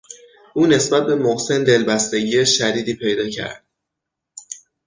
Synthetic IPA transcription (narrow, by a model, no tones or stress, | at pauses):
ʔuːne̞sbæt̪̚be̞moɣse̞nd̪e̞lbæst̪e̞ɟiːeʃæd̪iːd̪iːpʰe̞jd̪ɒːcʰæ̰ɾd̪̥̚